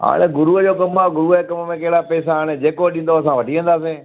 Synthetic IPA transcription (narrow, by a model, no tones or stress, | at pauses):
ɦa̰ːɽ̃eɡʊɾuəd͡ʑoːkɐmaɡʊɾukɐməmẽkɐɦɪɽapɛːsaaːɽ̃ed͡ʑeːkoɗĩn̆d̪oɐsãʋɐʈiʋə̃nd̪aːs̬ẽː